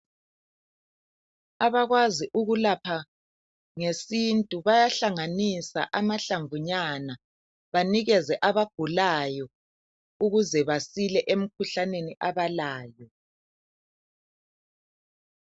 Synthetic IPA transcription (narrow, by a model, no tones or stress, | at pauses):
aβaɣwaziʔuɣulapʰa | ŋesintʼuβajaɬaŋanisa̰ʔamaɬaɱvuɲana | βaniɣɛzɛʔaβaɡ̥ʱulajɔ | uɣuzɛβasilɛʔem̩kʰuɬaneniʔaβalaːjɔ